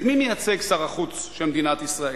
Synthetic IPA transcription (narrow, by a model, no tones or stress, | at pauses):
mimejat͡se̞ɡsaʁaχut͡s | ʃelmd̪inat̪isʁae